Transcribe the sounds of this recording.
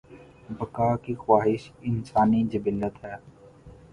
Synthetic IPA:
bɐkaːkixwaːɦɪʃɪnsaːnid͡ʒɐbɪlːət̪ɦɛː

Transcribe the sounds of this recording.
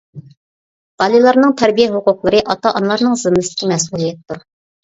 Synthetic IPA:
b̥ɑlˠilˠɑɾnɨŋt̪ʰɛɾbijɛɦʊqʊqlˠəɾɨʔɑt̪ɑʔɑnlˠɑɾnɨŋzɨmːɨsɪ̥kʲɪmɛs̬ulˠijɛt̪ːuɾ

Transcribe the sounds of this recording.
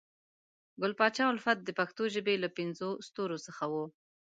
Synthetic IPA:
ɡʊlpɑt͡ʃɑʊlfat̪̚d̪əpaxt̪oʒəbelapɪnzost̪oɾosəxawo

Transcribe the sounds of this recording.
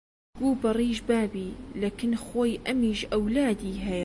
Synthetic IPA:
ɡuːbɑrˤiːʒbaːbiːlakɪnxoːjʔɐmiːʒʔɐwlaːd̪iːɦɐ

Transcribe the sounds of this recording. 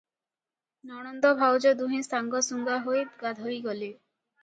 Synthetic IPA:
nɔɽ̃ɔnd̪ɔbʱawd͡ʒɔd̪uɦĩst̪aŋɡɔsuŋɡaɦojɡad̪ʱojɡɔli

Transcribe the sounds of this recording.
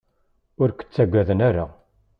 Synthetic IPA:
ʊɾkʷə̥t͡sːæɡʷːæðənæɾa

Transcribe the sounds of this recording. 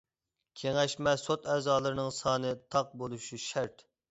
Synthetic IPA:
kʲʰeŋæʃmɛsot̪ɛːzɑːlˠɨɾɨnɨŋsɑːnɨt̪ʰɑq̚bolˠuʃuʃæɾt̪

